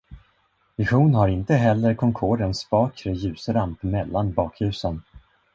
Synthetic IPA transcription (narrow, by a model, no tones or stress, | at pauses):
vɪɧuːnhaɾɪnt̪əɦɛlːəɾkʰɔŋkʰoːɾənsbɑːkɾəjʉ̟ːsɾampmɛlːanbɑːkhʉ̟ːsən